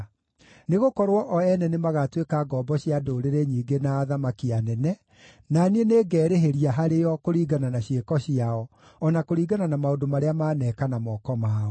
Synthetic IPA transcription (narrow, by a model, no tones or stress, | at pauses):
neɣokɔɾwɔʔɔɛnɛnemaɣatwekaɡɔbɔɕiadoɾeɾeɲiːɡenaːðamakianɛnɛ | nanieneɡɛːɾeɦeɾiaɦaɾeɔkoɾiːɡananaɕjekɔɕiaɔ | ɔnakoɾiːɡananamaodomaɾeamaːnɛːkanamɔkɔmaːɔ